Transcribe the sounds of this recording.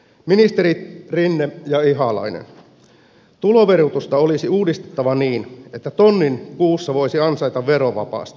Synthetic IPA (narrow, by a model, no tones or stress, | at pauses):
minist̪eɾirinːejɑiɦɑlɑ̰inḛn | t̪ulo̞ʋerut̪ust̪ɑolisiuːdist̪et̪ːɑʋɑniːne̞t̪ːæt̪onːinkuːsːɑʋo̞isiɑnsɑit̪ɑʋʋeɾoʋɑ̰pɑ̰ːst̪i̥